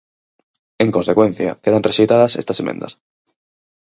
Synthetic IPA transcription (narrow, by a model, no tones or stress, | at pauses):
ẽŋko̞nse̞kwe̞n̟θja̰keð̞anreʃejt̪að̞ase̞̰st̪asemḛ̃nd̪a̰s